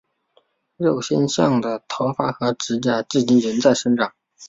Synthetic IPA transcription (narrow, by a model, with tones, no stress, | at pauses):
ɻo˥˩ʊɕjɛ˥˧nɕjɑ˥˩ŋd̪ə˩t̪ʰo˧˥ʊfa˥xɤ˧˥ʈ͡ʂɻ̩˧˥t͡ɕja˥˩ʈ͡ʂɻ̩˥˩t͡ɕi˥nɻə˧˥nt͡sa˥˩ɪʂə˥nʈ͡ʂɑ˨˩˦ŋ